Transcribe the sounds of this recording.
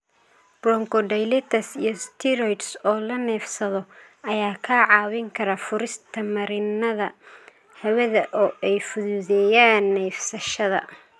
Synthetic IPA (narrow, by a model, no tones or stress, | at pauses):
b̥ɾɔŋkʰɔd̪ɛjlɛt̪ʰɐsḭjɞst̪ʰɪɾɔjt̪sɔːlɐnɛːfsɐðɔ | ɐjaːkʰaːʕɑːwɪŋkʰɐɾɐfʊɾɪst̪ʰɐmɐɾɪnɐðɐ | hɐwɛðɐʔɔːʔɛjfʊðuːðɛjaːnːɛjfsɐʃɐðɐ̰